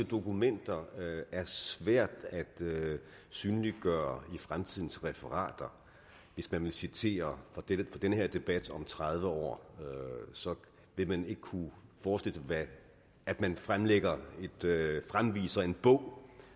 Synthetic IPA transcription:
əd̥o̝kumen̰d̥ɐæɐsʋæɐ̰d̥æd̥ø | syːnəliɡ̥ɶːɐifʁamt͡sʰið̞̰ˠn̩sʁɛfəʁɑ̰̈ːd̥ɐ | ʋe̝smænʋe̝sit͡sʰe̝̰ːɐfɒ̽d̥edəfɒ̽d̥enəheɐ̰d̥e̝b̥æd̥ɒ̽mt͡sʰʁað̞ˠʋəɒ̰ː | sɒ̽ | ʋe̝mæne̝ɡ̥əkʰufɒːsd̥e̝l̰əæː | d̥mænfʁamleɡ̥ɐe̝d̥fʁamʋḭːsɐe̝nb̥ɔ̽ʊ̰

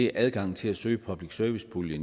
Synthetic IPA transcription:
eʔæðˠɡ̥ɑ̈ŋ̰t͡sʰe̝læsø̰ːɪpʰɒ̽b̥liɡ̥sœɐʋisb̥ʰuljən

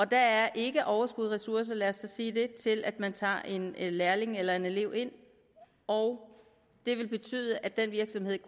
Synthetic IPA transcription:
ɒ̽d̥ææɐʔe̝ɡ̥əʔɒʊɐsɡ̥uð̞̰ˠʁɛsuɐs̬ɐlæɐsɑsiːd̥e̝t͡sʰe̝lʔæd̥mænt͡sʰɑ̰̈ːʔe̝nlæɐle̝ŋelɐe̝ne̝le̝ʊ̰e̝n̰ | ɒʊ | d̥e̝ʋe̝lb̥e̝t͡sʰy̰ːð̞ˠəʔæd̥enʋiɐɡ̥sɒ̽mhe̝ð̞̰ˠ

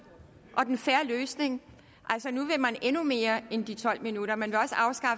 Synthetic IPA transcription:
ʔɒ̽d̥enfæɐløːsne̝ŋ | ʔælsɒnuʋe̝mænenume̝ːɐend̥it͡sʰɒ̽l̰minuɾ̥ɐmænʋe̝ɒ̽səɑ̈ʊsɡ̥ɑ̈f

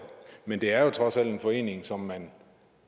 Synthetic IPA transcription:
mend̥e̝æɐjo̝t͡sʰʁɒ̽sæl̰d̥e̝nfɒ̽e̝̰ːne̝ŋsɒ̽mːæn

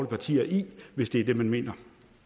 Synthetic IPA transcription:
ləpʰɑ̈t͡sʰḭːɐʔiʋe̝sd̥e̝æɐd̥e̝mænme̝̰ːnɐ

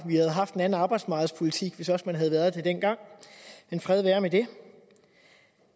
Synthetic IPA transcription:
ʋihæð̞̩ˠɦɑ̈fd̥enæn̩ɑ̈ːb̥ɑ̈ɪd̥smɑ̈ɡ̥ð̩ˠspʰo̝lit͡sʰiɡ̥ʋe̝sɒ̽smænɦæðˠʋæɐðˠd̥e̝d̥en̰ɡ̥ɑ̈ŋ̰enfʁɛð̞ˠʋæːɐmed̥e̝

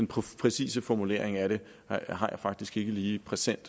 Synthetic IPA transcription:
enpʰpʰʁɛsḭːsəfɒmule̝ɐe̝ŋæɾ̥e̝ | ɦɑ̈jɑ̈ɪfɑ̈ɡ̥d̥isɡ̥e̝ɡ̥əliːpʰʁɛsen̰d̥

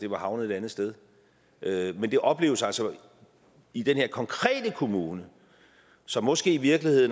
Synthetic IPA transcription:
d̥e̝ʋɑ̈hɑ̈ʊnəð̩ˠe̥ænð̞̩ˠsd̥eð̞ˠ | ʔømend̥e̝ʔɒ̽b̥le̝ːʊəsælsɒ | id̥enhe̝ɐkʰɒ̽ŋkʰʁɛ̰ːd̥əkʰo̝muːnə | sɒ̽mːɒ̽sɡ̥e̝̰ːiʋiɐɡ̥lihe̝ð̰ˠn̩

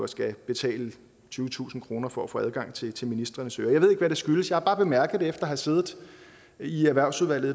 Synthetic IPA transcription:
ɒsɡ̥æb̥e̝t͡sʰɛ̰ːlə | t͡sʰyːʊət͡sʰṵːsn̩kʰʁo̝ːnɐfɒ̽æfo̰ːæð̞ˠɡ̥ɑ̈ŋ̰t͡sʰe̝t͡sʰe̝lminisd̥ʁɐnəsøːɐjɑɪʋe̝eɡʋæɾesɡ̥yləsjɑ̈hɑ̈b̥ɑ̈ːb̥e̝mæɐɡ̥əð̩ˠdefd̥ɐɒhɑse̝ːðˠð̩ˠ | iæɐʋæɐʊsuðˠʋæl̰ð̩ˠ

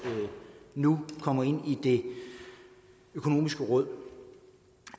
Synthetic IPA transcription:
nukʰɒ̽m̰ɐe̝n̰id̥e̝ | økʰo̝no̝̰ːmisɡ̥əʁɔ̽ð̞̰ˠ

